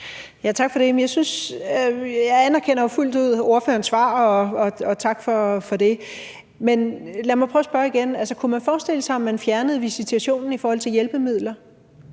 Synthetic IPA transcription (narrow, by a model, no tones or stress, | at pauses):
jæt͡sʰɑ̈ɡ̥fɒ̽d̥e̝mjɑ̈ɪsyns | jɑ̈ænæɐkʰen̰ɐoful̰d̥uð̰ˠo̝ɐfø̰ːɐnsʋɑ̰̈ːɒɒ̽ɒ̽t͡sʰɑ̈ɡ̥fɒ̽fɒ̽de̝ | menlæmɑ̈ɪpʰʁœʊːsb̥ɶɐiɡ̥enælsəkʰumænfɒːsd̥e̝l̰əsɑ̈ɪɒ̽mːænfjæɐnəð̞̩ˠʋisit͡sʰuæɕo̝̰ːnn̩ifɒːhɒ̽l̰t͡sʰe̝ljelb̥əmið̞̰ˠlɐ